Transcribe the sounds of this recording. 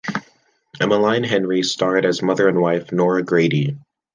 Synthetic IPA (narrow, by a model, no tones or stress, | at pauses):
ɨməlãɪ̃nɦɛ̃nɹistɑɹɾɨzmʌðə˞ɨ̃nwaɪfnɔɹɨɡɹeɪɾi